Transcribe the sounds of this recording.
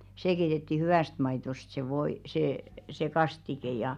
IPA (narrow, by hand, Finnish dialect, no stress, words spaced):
seː keitetːi hyw̆æˑst mɑitost se ʋoi seː se kɑstike jɑ